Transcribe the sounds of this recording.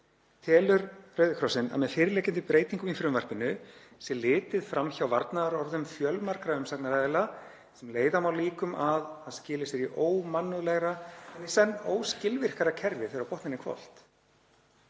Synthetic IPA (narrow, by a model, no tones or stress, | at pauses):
t̪ʰɛːlʏɾɾœɥðɪkʰɾɔsɪna̰ðmɛðfɪɾɪlɛːcɪnt̪ɪpɾeːjt̪iŋkʏminfɪɾʏmvaɾr̥pɪnːʏsjɛlɪːt̪ɪðfɾamçawvaɾt̪naðaɾɔɾðʏmfjœlmar̥kɾaʏmsaknaɾaðɛla | sɛmleːjðahamawliːkʏmʔaðanscɪːlɪsɪɾiʔoːwmanːʏðlɛɣɾaɛnːisɛnːoːwscɪlvɪr̥kaɾacʰɛɾvɪθɪɾawpɔht̪nɪnɪkʰvɔ̰l̥t̪